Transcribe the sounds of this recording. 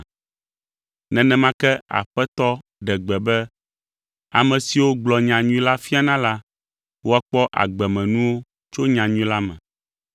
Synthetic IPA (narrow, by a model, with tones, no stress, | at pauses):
nɛ̃˨nɛ̃˨mã˦kɛ˦a̰˨ɸɛ˦t̪ɔ˦ɖɛ˨ɡ͡bɛ˨bɛ˦ | a̰˨mɛ̃˨si˨wo˦ɡ͡blɔ˨ɲã˨ɲũĩ˦la˦fi˦a˨nã˦la˦ | wo˦a˦k͡pɔ˦ʔa̰˨ɡ͡bɛ˨mɛ̃˨nũ˦wo˦ | t͡ʃo˦ɲã˨ɲũ˦la˦mɛ̰̃˨